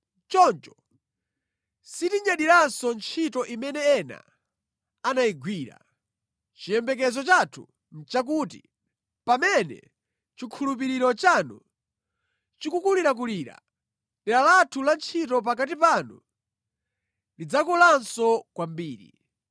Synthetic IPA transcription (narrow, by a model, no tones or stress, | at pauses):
t͡ʃɔnt͡ʃɔ̥ | sitiɲaɗiɾansɔnt͡ʃʰitɔʔimɛnɛɛna̰ | anajiɡwiːɾa̰ | t͡ʃijɛmbɛk̬ɛzɔt͡ʃatʰu | m̩t͡ʃak̬uːtḭ | pamɛnɛ̰ | t͡ʃikʰulup̬iɾiɾɔt͡ʃanu | t͡ʃikukuliɾak̬uliːɾa̰ | nɛlalatʰulant͡ʃʰitɔpakat̬ipanu | lid͡zakulansɔkwambiːɾḭ